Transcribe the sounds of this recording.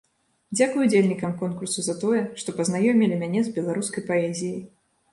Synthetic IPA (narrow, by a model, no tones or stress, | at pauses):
d͡zʲakujud͡zʲelʲnʲikɐmkɔnkursuzɐt̪ɔjɛʂt̪ɔpɐznajɔmʲilʲimʲanʲɛzbʲɛlˠaɾuskɐjpaɛzʲijij